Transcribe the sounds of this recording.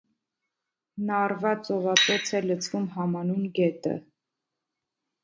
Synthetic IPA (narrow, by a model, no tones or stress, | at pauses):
nɑrvɑt͡sɔvɑt͡sɔt͡sʰɛlət͡sʰvumɦɑmɑnunɡɛt̪ə̰